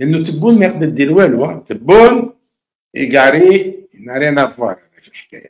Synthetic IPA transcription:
ləʔənːut̪əbːunmæjqd̪əd̪ilwælwæt̪əbːun | ɡaʕɾinaʕɾinæfwɑɾˤbæʃlħkæ̰jæ̰

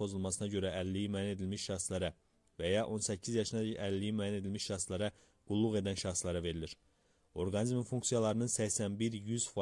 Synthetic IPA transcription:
pʰo̞zulˠmɑsɯnɑɟø̞ɾæælːijimæːjæne̞d̪ilmiʃʃɑχslæɾɑ | væjɑʔo̞nsæcʰːizjɑʃɯnɑælːijimyæːjæne̞d̪ilmiʃɑχslˠɑɾɑ | ɡ̥ulˠːuɣe̞d̪ænʃɑχslˠɑɾɑve̞ɾiliɾ | o̞ɾɡɑnizmimfuŋksijɑlˠɑɾɯnɯnsæçsænbiɾjyz̥fɑ

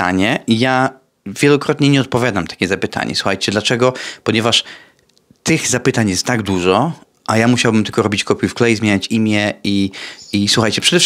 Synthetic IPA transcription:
a̰ɲɛʔija | vʲjɛlɔkɾɔt̪ɲɛɲɛɔt̪̚pɔvʲjad̪amt̪ḁkʲɛzapɘt̪ʰa̰ɲɛ̰swuxajt͡ɕɛd̪lat͡ʂɛɡɔpɔɲɛvaʂ | t̪ɘɣzapɘt̪aɲjɛst̪t̪aɡd̪uʐɔ | ʔajamuɕawbɘmt̪ɘlkɔɾɔbʲit͡ɕkɔpʲifklɛjizmʲeɲat͡ɕimʲjɛiiswuxajt͡ɕɛpʂɛd̪ɛf

